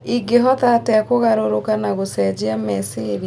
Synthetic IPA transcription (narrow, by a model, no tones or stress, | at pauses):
iɡeɦɔtatɛkoɣaɾoɾokanaɣosɛd͡ʑiamɛseɾi